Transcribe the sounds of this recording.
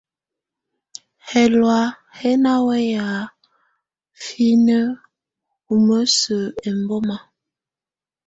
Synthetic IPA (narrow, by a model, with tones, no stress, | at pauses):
hɛ˨lwa˨˦ | hɛ˦na˦wɛ˦ja˨ | fi˦nə˦ | u˨mə˦sə˨e˨mbo˦ma˨